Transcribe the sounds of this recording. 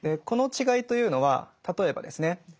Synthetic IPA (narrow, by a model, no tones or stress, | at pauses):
d̪eko̞no̞t͡ɕiɡait̪o̞jɯ̟ːno̞βa̰t̪at̪o̞e̞ba̰d̪e̞sɨne̞